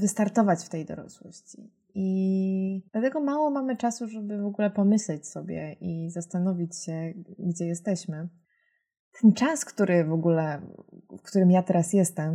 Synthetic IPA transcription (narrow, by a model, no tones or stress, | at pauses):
vɘst̪aɾt̪ɔvat͡ɕft̪ɛjd̪ɔ̰ɾɔ̰swɔɕt͡ɕi | i | d̪̥lat̪ɛɡɔmawɔmamɘt͡ʂasuʐɛbɘvɔɡulɛpɔmɘɕlɛt͡ɕsɔbʲjɛ̰ʔizast̪anɔvʲit͡ɕɕɛɡd͡ʑɛjɛst̪ɛɕmɘ | t̪ʰɛnt͡ʂaskt̪uɾɘvɔɡulɛfkt̪uɾɘmjat̪ɛɾasjɛst̪ɛm